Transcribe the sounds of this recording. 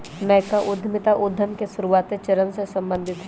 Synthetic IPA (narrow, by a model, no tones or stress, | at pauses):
mɛ̃ːkaʔʊd̪ʱmɪt̪aʔʊd̪ʱːəmkesʊɾuʋaːt̪et͡ʃɐɾəmsesɐ̃mbə̃nd̪ʱɪt̪ɦ